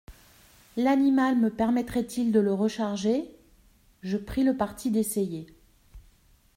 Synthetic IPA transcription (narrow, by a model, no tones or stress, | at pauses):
lanimalməpɛʁmɛt̪χɛt̪ʰild̪ələʁəʃaʁʒe | ʒəpχiləpaʁt̪ʰid̪eseje